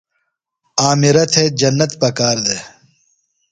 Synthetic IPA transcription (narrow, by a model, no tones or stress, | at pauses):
aːmiɾɐt̪ʰed͡ʑɐnːɐt̪pɐkaːɾd̪e